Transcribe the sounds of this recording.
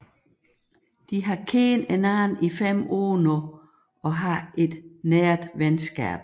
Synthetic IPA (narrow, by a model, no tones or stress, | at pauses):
d̥iɦɑ̈kʰeːnenæːnifem̰oːno | ɒ̽ɦɑ̈e̝d̥neːɐd̥ʋensɡ̥ɛ̰b̥